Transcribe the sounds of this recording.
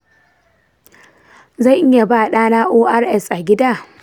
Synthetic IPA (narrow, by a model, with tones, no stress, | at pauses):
za˦˨jʔɪ˦ja˨baː˦˨ɗaː˦naː˦ʔoː˦ʔa˦rʔɛ˦˨sʔa˨ɡʲɪ˦daː˦˨